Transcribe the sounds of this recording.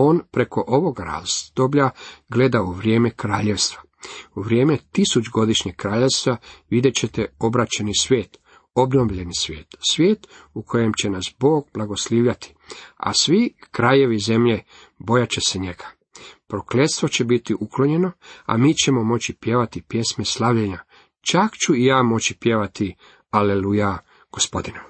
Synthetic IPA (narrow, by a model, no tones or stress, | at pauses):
o̞ːnpɾe̞ko̞ʔo̞ʋo̞ɡaɾa̰ːzd̪̥obʎaɡle̞d̪auʋɾjeːmekɾaːʎe̞ʋst̪ʋa | uʋɾʲje̞ːmet̪isut͡ʃɡo̞d̪iʃɲekkːɾaːʎe̞ʋst̪ʋaʋid̪jet͡ɕe̞t̪eo̞bɾat͡ɕenisʋjeːt̪ | o̞bno̞ʋʎe̞nisʋʲjeːt̪sʋʲje̞ːt̪ukʰo̞je̞mt͡ɕe̞nasbo̞ːɡ̚blˠaɡo̞sliːʋʎat̪ʰi̥a̰sʋikɾaje̞ʋize̞mʎe | bo̞jat͡ɕe̞se̞ɲe̞ɡḁ | pɾokle̞t̪st̪ʋo̞t͡ɕe̞bit̪iʔuklo̞ɲe̞no̞a̰miːt͡ɕe̞mo̞mo̞t͡ɕipje̞ʋat̪ipje̞sme̞slˠaʋʎeɲa | t͡ʃakt͡ɕuijaːmo̞t͡ɕipje̞ʋat̪i | aleluja | ɡ̥o̞spo̞̰d̪inom